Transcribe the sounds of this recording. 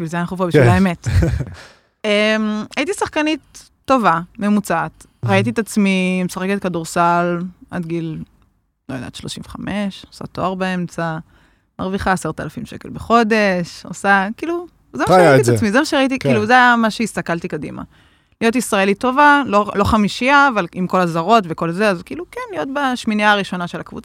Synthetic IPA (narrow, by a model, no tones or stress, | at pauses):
biʃvilzeanaχufobiʃvilaemet | emaitisaχkanitː | o̞vame̞mut͡saːt̪ | ʁait̬it̪at͡smimesaχeket̪kaduʁsala̰dɡil | lojd̪ḛadʃloʃĩmveχame̞ʃosa̰toaʁbeemt͡sa | maʁviχaːseʁt̪alafimʃe̞̰ke̞lbeχo̞de̞ʃo̰sakiːlu | zemaajaiamizemaʃeʁait̬ikiluzeamaʃeist̪akalt̪ikadḭma̰ | lijo̞t̬isʁaelito̞valolo̞χamiʃiaːvalimko̞lazaʁo̞tveko̞lzeazkiːlukenlijo̞t̪baʃminiaːʁiʃo̞naʃe̞lakvṵt͡sa